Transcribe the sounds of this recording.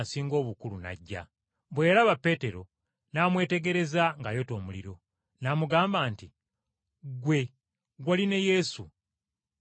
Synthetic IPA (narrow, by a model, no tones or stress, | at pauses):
siːŋɡo̞ːβukuluna̰ɟːa̰ | βwe̞ːɾaβapːe̞ːte̞ɾo̞ | naːmwe̞ːte̞ɡe̞ɾe̞zaŋɡajo̞to̞ːmulḭɾo̞ | namuɡaːmbaːnti | ɡwe̞ | ɡwaline̞je̞sṵ